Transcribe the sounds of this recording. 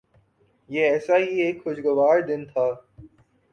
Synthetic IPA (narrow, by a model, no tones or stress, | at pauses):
jeɛːsaɦieːkxʊʃɡʊʋaːɾd̪ɪnt̪ʰaː